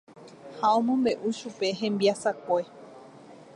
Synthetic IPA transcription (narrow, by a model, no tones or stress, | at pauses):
haõ̞mõ̞mbe̞ʔuʃupe̞ɦẽ̞mbiasakʷe̞